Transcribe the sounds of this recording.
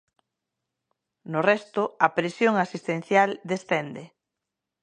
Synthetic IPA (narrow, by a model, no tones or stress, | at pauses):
nʊrɛst̪ʊɐpɾesjoŋasist̪en̟θjald̪esθɛnd̪e